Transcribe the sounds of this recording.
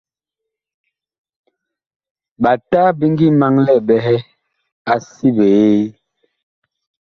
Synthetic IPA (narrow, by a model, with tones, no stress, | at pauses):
ɓa˨ta˦bi˦ŋ˦ɡi˦ma˦ŋlɛ˦˨bɛ˨ɦɛ˦ | a˨si˦be˨˦